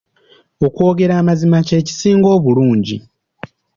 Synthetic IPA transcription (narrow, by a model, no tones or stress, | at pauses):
o̞kwo̞ːɡe̞ɾaːmazimace̞ːci̥siːŋɡo̞ːβuluːɲɟi